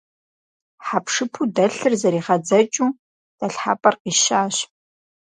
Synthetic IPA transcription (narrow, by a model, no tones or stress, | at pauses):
ħapʂɨpʰudɐɬɨrzɐɾiːʁɐd͡zɐt͡ʃʼuː | d̥ɐɬħa̰ːpʼɐrqiːʃaːɕ